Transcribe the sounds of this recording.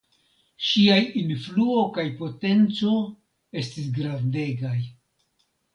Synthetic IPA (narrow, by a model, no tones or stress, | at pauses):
ʃiajinfluo̞kajpo̞te̞nt͡so̞ | e̞stisɡɾande̞ɡaj